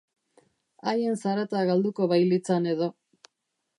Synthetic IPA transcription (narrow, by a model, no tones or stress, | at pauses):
aje̞nsaɾat̪aɣald̪ukoβajlit͡sane̞ðo̞